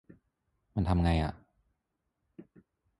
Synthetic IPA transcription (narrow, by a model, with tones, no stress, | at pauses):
ma˧nt̪ʰa˧mŋa˧jʔa̰˨˩ʔ